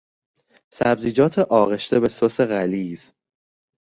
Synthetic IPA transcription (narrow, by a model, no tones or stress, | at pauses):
sæbziːd͡ʒɒːt̪ʰeʔɒːɣe̞ʃt̪ʰe̞be̞sose̞ɣæliːz